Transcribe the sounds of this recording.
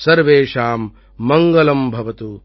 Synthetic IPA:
sɐɾʋeːʂaːmː | ɐŋɡɐlɐmbʱɐʋɐt̪u

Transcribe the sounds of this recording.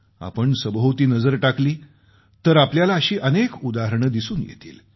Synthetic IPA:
a̰pəɳsəbɦəwt̪iːnəd͡zəɾʈakliː | t̪əɾapljalaəɕiːʔənekud̪aɦəɾəɳəd̪isuːnjḛt̪ḭːl

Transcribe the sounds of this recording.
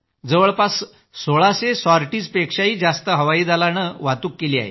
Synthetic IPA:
d͡zəʋəɭpas | soɭasesɔɾʈiːd͡zpekʂaɦiːd͡zast̪əɦəʋaiːd͡z̪alañəʋat̪uːkːeliːa̰ɦḛ

